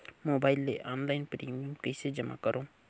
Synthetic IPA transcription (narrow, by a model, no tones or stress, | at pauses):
moːbaːɪlːeʔaːnlaːɪnpɾiːmiəmkəɪsed͡ʒəmʔa̰kəɾõː